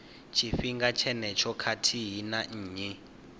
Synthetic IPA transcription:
t͡ʃʰifiŋɡat͡ʃʰɛnɛt͡ʃʰɔkʰatʰiɦinaɲ̩ːɲɛ

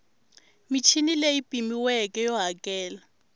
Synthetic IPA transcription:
mit͡ʃʰinileipʼimiwɛkʼɛjɔɦakʼɛːla

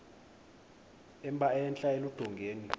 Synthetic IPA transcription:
ɛmɓaɛnt͡ɬʼaelud̥ʱɔŋɡʱeːni

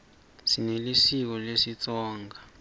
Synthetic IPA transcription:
sinelisik̬ɔlesit͡sʼɔːŋɡʱa

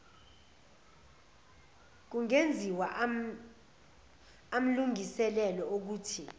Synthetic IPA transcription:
k̬uŋend͡zʱiwaʔ | am̩luŋisɛlɛlɔok̬uːtʰi

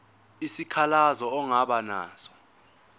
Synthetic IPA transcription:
isikʰalazɔɔŋaɓana̰ːsɔ̥

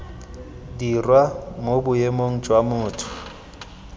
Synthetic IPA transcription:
dirwamobʊjemoŋ̩d͡ʒʼwamʊːtʰʊ̥

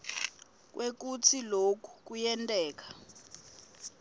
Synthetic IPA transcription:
k̬wʔek̬ut͡sʰilokʰu̥k̬ujɛntʼɛːk̬ḁ

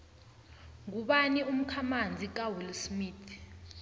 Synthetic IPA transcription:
ŋuɓanium̩kʰamand͡zʱik̬ʼawilsmiːtʰ

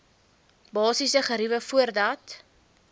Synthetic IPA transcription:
bɑːsisəχəɾivəfuərdɐt

